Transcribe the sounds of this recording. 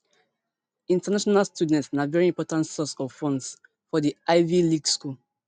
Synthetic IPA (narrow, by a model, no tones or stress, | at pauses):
ĩntanaʃɔnalstʰjudɛ̃ntsnavɛɹiĩmpɔtãntsɔsɔvfɔ̃ns | fɔdiʔaɪviliɡskul